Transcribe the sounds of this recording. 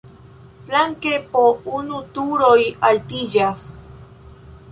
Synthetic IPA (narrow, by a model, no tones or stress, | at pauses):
flaŋkepounut̪uɾojalt̪id͡ʒas